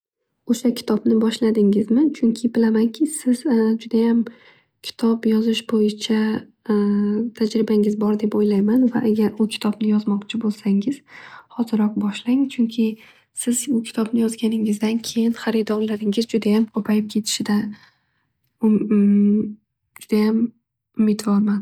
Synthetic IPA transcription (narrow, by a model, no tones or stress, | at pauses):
oʃakʲʰɪ̥t̪ʰɒbnɪbɒʃlad̪ɪŋɪzmɪt͡ʃʰʊŋkʲʰɪbɪlamankʲʰɪsɪzd͡ʒʊd̪ajam | kʲʰɪ̥t̪ʰɒpjɒzɪʃbojɪt͡ʃʰa | t̪ʰad͡ʒɾɪbaŋɪzbɒɾd̪e̞pojlajmanva̰ʔaɡʲaɾʊkʲʰɪ̥t̪ʰɒbnɪjɒzmɒqt͡ʃʰɪbolˠsaŋɪz̥hɒzɪɾɒq̚bɒʃlaŋt͡ʃʰʊŋkʲʰɪ | sɪzbʊkʲʰɪ̥t̪ʰɒbnɪjɒzɡʲanɪŋɪzd̪ankʲʰe̞jɪnχaɾɪd̪ɒɾlaɾɪŋɪzd͡ʒʊd̪ajamkʰopʰajɪp̚kʲʰe̞t̪ʰɪ̥ʃɪd̪a | ʊ | d͡ʒʊd̪ajam | ʊmɪt̪vɒɾman